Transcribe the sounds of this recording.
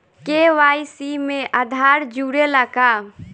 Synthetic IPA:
keʋaːisimẽʔəd̪ʱaːɾd͡ʒuːɾeləka

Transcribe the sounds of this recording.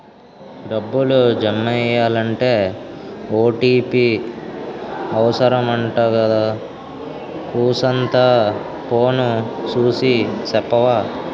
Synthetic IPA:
ɖɐbːulud͡ʒɐmːɛjaːlɐɳʈe̞ː | oːʈiːpi | ɐʋɐsɐɾɐmɐɳʈaːkɐd̪aː | kuːsɐnt̪a | poːnusuːsit͡ʃɛpːɐʋaː

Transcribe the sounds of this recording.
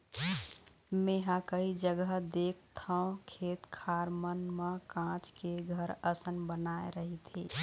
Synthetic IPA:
meɦãkəɦid͡ʒəɡəɦd̪ek̚ʰt̪ʰə̃kʰet̪kʰaɾmənməkãt͡ʃkeɡʱəɾəsənbənaḛɾəɦit̪ʰi

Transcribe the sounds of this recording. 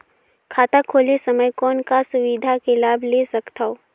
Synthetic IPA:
kʰaːt̪akʰoːlesɐməjkɔːnkasʊʋid̪ʱakelaːbʱlesɐkt̪aoː

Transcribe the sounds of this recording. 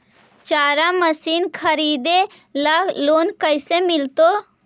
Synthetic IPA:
t͡ʃaːɾaməsiːnkʰəɾiːd̪e | ləɡloːnkəɪsemɪlt̪o

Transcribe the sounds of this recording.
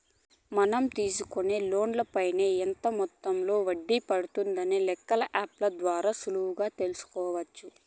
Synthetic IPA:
mɐnɐmt̪iːsukuneːlo̞ːnlɐpɐjneːɛnt̪ɐmɔt̪ːɐmlo̞ːʋɐɖːipɐɽut̪und̪ɐnilɛkːɐlɐʔaːplɐd̪ʋaːɾaːsuluwuɡaːt̪e̞lusu̥kɔːʋɐt͡ʃːu

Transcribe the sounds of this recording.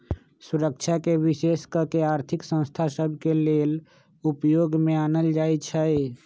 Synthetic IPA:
sʊɾək̚t͡ʃʰakeʋɪʃeːskəɾkeaːɾt̪ʰɪksə̃w̃st̪ʰasəbʱkeleːl | ʊpjoːɡmẽaːnəld͡ʒaːet͡ʃʰɛe

